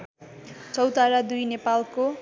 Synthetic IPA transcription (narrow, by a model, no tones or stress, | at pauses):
t͡sʌwt̪aɾad̪ujnepalko